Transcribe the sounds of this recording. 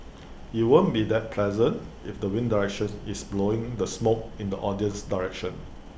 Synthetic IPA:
juwõnbidɛt̚pʰlɛzə̃nt | ɪfdəwɪ̃ndaɹɛkʃə̃nɪsbloɪ̃ŋdəsmok̚ɪ̃ndəʔɔdiə̃nsdaɹɛkʃə̃n

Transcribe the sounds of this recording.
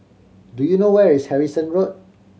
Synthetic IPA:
dujunowɛɹishɛɹisə̃nɹot̚

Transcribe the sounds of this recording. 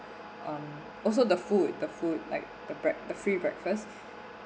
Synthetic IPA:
ʔãm | ʔɔls̬odəfud̚dəfud̚la̰ɪk̚d̥əbɹɛk̚dəfɹibɹɛ̰kfəs

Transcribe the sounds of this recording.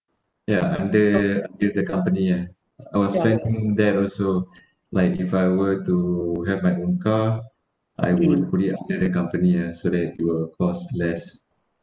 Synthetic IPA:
jaʔãndəãndədəkãmpənia | ajwɔsfɛ̃ndĩŋdɛtɔlso | laɪkifajwətuɦɛvmajʔõnka | ʔa̰jwudpuliã̰ndədəkãmpəniasodɛt̚juwəlkʰɔslɛs

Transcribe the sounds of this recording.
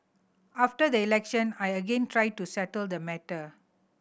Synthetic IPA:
aftədəilɛkʃə̃najəɡẽntɹaɪd̚tusɛtəld̪əmɛtə

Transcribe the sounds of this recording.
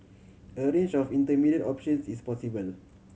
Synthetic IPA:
əɹẽnd͡ʒɔfĩntəmidədɔpʃə̃nsispɔsibəl

